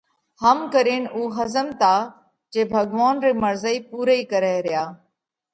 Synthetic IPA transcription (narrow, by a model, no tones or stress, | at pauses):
həmkəɾeːnuːɦəzəmt̪aː | t͡ʃeːbʱəɡʋaːnɾeːməɾzəiːpuːɾəiːkəɾeːɾɪjaː